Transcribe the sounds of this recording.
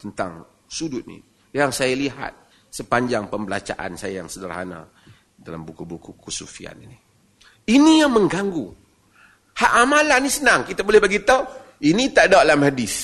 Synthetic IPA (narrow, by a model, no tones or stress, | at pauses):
t̪ənt̪a̰ŋ | sudʊt̪̚nḭ | jaŋsajaliɦa̰t̪̚ | səpaɲd͡ʒaŋpəmbəla̰t͡ʃa̰ʔa̰nsajajaŋsədaɾa̰hana̰ | dalambukubukukusufia̰nini | inijaŋməŋɡaŋɡu | haʔamalanisənaŋkit̪abolɛhbaɡit̪ainit̪aʔdaalamhadɪs